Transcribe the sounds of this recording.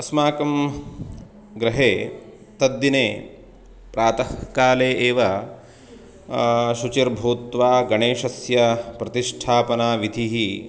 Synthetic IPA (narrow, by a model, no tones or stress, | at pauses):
ɐsmaːkɐm | ɡɾɐɦeː | t̪ɐd̪ːineː | pɾaːt̪ɐhkaːleːʔeːʋɐ | ʃut͡ʃiɾbʱuːt̪ʋaːɡɐɳeːʃɐsjɐpɾɐt̪iʂʈʰaːpɐnaːʋid̪ʱiɦi